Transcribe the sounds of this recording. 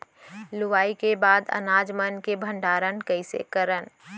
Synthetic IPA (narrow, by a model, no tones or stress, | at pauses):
lʊʋaːikebaːd̪ə̰naːd͡ʒmənkebʱə̃ɳɖaːɾənkəɪsḛkəɾən